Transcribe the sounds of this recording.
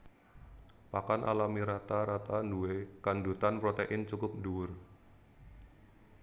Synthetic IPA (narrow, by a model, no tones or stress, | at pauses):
pakanʔa̰lamiɾat̪aɾat̪anduwekandut̪anpɾot̪eʔɪnt͡ʃukʊp̚nduwʊr